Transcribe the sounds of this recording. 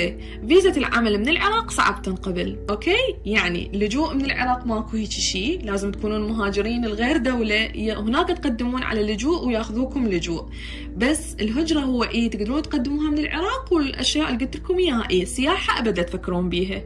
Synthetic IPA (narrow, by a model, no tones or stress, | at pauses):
viːzalʕa̰malmɪnɪlʕɪ̰ɾˤɑːqsˤɑ̰ʕa̰b̚t̪ɪnqɑbɪlʔoːkeːjaʕnḭlːʊd͡ʒuːʔmɪnɪlʕɪ̰ɾˤɑːqmaʔkuhiːt͡ʃʃiːlaːzɪmt̪̚kuːnuːnmʊɦaːd͡ʒɪɾiːnɪlɣeːɾd̪awlahɪnaːkat̪qad̪ːɪmuːnʕa̰lalːʊd͡ʒuːʔwjaːxʊðuːkʊmlʊd͡ʒuːʔ | basːɪlɦʊd͡ʒɾˤɑɦʊwːaʔiːt̪ɪɡd̪ɑɾuːnt̪qad̪ːɪmuːhamɪnɪlʕɪ̰ɾˤɑːqwɪlʔa̰ʃjaːʔɪlːɡʊlt̪ɪlkʊmjaʔiːsːɪjaːħaʔabad̪at̪fakːɪɾuːmbiːɦa